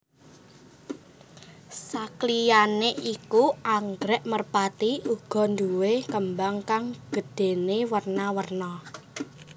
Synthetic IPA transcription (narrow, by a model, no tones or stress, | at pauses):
saklijaneʔikuʔaŋɡɾɛʔmərpat̪iʔuɡ̥ɔ̤nd̪uwekəmbaŋkaŋɡ̥ə̤d̥e̤newərnawərnɔ